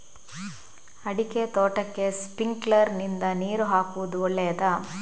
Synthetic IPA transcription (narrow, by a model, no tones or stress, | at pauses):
ɐɽiket̪oːʈɐkːe̞spiŋɡlɐɾnind̪ɐniːɾuɦaːkuʋud̪uɔɭːɛjɐd̪ɐ